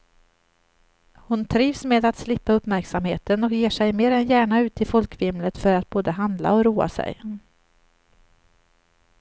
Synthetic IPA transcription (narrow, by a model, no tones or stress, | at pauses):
hʊnt̪ʰɾiːvsmeːd̪at̪slɪpːaɵpmæɾksamheːt̪ənɔkjeːʂɛjmeːɾɛnjæːɳaʉ̟ːt̪ʰɪfɔlkvɪmlət̪fœɾat̪̚boːd̪əɦand̪la̰ɔɾuːa̰sɛ̰j